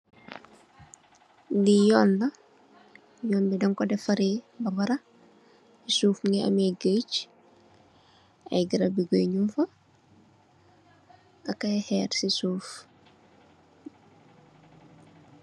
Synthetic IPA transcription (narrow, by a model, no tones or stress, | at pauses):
dijɔːnlɐ | jɔːnbidɐŋkɔdɛfɐɾeːbɐbɐɾɐ | isuːfŋɛʔɐ̰mɛɡət͡ʃ | ɐ̰jɡiɾɐbiɡoɲufɐ | ɐkajhɛːɾsisuːf